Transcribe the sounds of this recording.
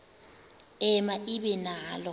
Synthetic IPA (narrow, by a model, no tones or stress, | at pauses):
ɛmaʔiɓɛnaːlɔ